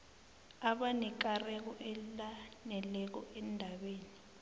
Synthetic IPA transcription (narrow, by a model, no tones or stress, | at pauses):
aɓanɛk̬arɛk̬ɔʔɛlanɛlɛk̬ɔɛndʱaɓeːni